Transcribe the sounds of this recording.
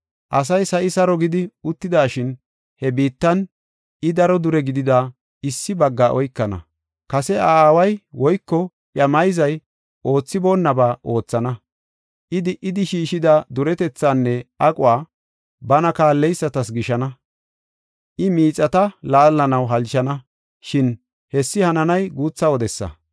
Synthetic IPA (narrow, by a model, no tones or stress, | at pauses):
ʔɐs̬ɐjsɐʔɪsɐɾɔɡɪd̪ɪʊt̪ːɪd̪aːʃɪn | hɛbiːt̪ːɐn | ɪd̪ɐɾɔd̪ʊɾɛɡɪd̪ɪd̪aː | ɪsːɪbɐɡːaʔɔjkːɐnɐ̰ | kɐsɛaːwɐjwɔjkːɔ | ʔjɐmɐjzɐj | ʔo̞ːt͡sːɪbo̞ːnːɐbaːʔo̞ːt͡sːɐnɐ | ʔɪd̪ɪʔɪd̪ɪʃiːʃɪd̪ɐd̪ʊɾɛt̪ɛt͡sːaːnːɛʔɐkʼʊwaː | bɐnɐkaːlːɛjsːɐt̪ɐsɡɪʃɐnɐ | ʔɪmiːt͡sʼːɐt̪ɐlaːlːɐnɐwɦɐlʃɐnɐ | ʃɪn | hɛsːɪhɐnɐnɐjɡuːt͡sːɐwɔd̪ɛsːɐ̰